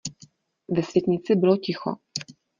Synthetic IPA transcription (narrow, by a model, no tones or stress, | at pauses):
vɛsvʲjɛt̪ɲɪt͡sɪbɪlocɪxo̰